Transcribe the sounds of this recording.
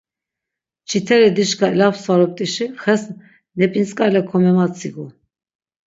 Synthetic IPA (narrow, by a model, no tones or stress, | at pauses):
t͡ʃʰit̪ʰɛɾɛd̪iʃkʰailafsvaɾɔp̚t̪ʼiʃiχɛsn | nɛpʼint͡sʼkʼalɛkʰɔmɛmat͡sʰʼiɡu